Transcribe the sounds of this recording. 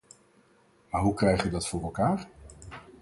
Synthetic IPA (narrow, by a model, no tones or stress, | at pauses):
maːɹɦukrɛjχəʋədɑtfʊːrɛlˠkaːɹ